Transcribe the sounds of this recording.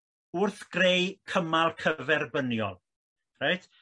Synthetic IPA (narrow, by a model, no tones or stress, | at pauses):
ʊrθɡ̥rejkʰəmalˠkʰəvɛrbənjɔ̰lˠ | rajtʰ